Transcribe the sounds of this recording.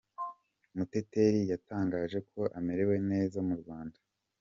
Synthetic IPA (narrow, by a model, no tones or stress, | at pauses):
mute̞te̞ɾijataːŋɡaːʒe̞kʰo̞ʔame̞ɾewe̞ne̞ːzamuɾɡwaːndḁ